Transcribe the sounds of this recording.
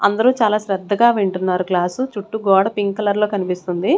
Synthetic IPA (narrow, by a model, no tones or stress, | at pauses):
ɐnd̪ɐɾuːt͡ʃaːlaːʃɾɛd̪ʱːɐɡaːʋeɳʈunːaːɾuklaːsut͡ʃuʈːuɡɔːɽɐpiŋɡkɐlɐɾlo̞ːkɐnipist̪und̪i